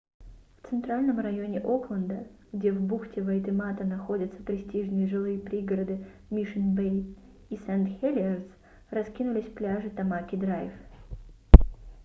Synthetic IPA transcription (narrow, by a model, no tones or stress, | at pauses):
ft̪sɨnt̪ɾalʲnəmrɐjo̞nʲɪʔo̞klˠənd̪əɡdʲe̞vbuxtʲɪvɐjt̪ɨmat̪ənɐxo̞dʲət̪sə̥pɾʲɪsʲtʲiʐnɨjəʐɨlˠɨjəpɾʲiɡəɾəd̪ɨ | mʲiʂɨnbej | isɛnt̪xʲelʲɪərt̪s | rɐskʲinʊlʲɪsʲplʲaʐɨt̪ɐmakʲɪd̪ɾajf